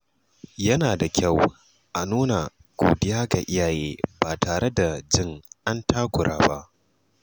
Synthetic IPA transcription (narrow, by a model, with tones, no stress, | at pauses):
jɐ˦naː˨da˨kʲʰa˦˨w | ʔa˨nuː˦na˨ | ɡ̥ʷoː˨dɪ˦jaː˦ɡa̰˨ʔɪ˦jaː˨jeː˦baː˨tʰaː˨ɾe˦da˨d͡ʒɪ˦˨ŋʔa˦ntʰaː˦kʷʊ˨ɽʔa̰ː˦ba˦ʔ